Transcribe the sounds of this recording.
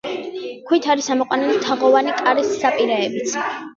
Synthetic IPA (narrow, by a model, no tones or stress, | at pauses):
kʰwit̪ʰaɾisamɔqʼwanɛlit̪ʰaʁɔvanikʼaɾisːapʼiɾaɛbit̪sʰ